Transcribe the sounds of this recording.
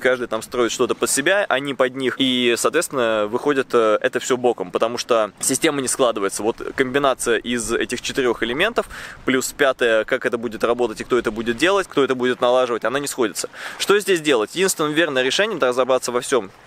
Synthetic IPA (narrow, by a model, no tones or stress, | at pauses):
kaʐd̪ɨjt̪amst̪ɾo̞ɪt̪ʂt̪o̞t̪əpət̪sʲɪbʲaʔɐ̰nʲipɐdʲnʲixisɐːt̪vʲest̪vʲɪnːəvɨxo̞dʲɪt̪əɛt̪əfsʲobo̞kəmpət̪ɐmuʂt̪osʲɪsʲtʲe̞mənʲɪsklˠad̪ɨvəjɪt̪səvo̞t̪kəmʲbʲɪnat̪sɨjəʔɪzɛ̰tʲɪxt͡ɕɪt̪ɨɾʲo̞xɪlʲɪmʲe̞nt̪əfplʲuspʲat̪əjəkakɛt̪əbudʲɪt̪rɐbo̞t̪ətʲɪkt̪o̞ɛt̪əbudʲɪt̪̚dʲe̞lˠətʲkt̪oɛt̪əbudʲɪt̪nɐlˠaʐɨvətʲɐnanʲɪsxo̞dʲɪt̪sə̥ʂt̪o̞zʲdʲesʲdʲe̞lˠətʲjɪdʲinst̪vʲɪnmvʲe̞rnəjɾʲɪʂɛnʲɪjəmd̪ərəzɐbɾat̪səvɐfsʲo̞m